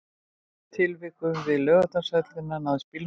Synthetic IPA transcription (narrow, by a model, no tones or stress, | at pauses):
t̪ʰɪlvɪkʏmvɪðlœːɣat̪asɛt̪lɪnanaðspiln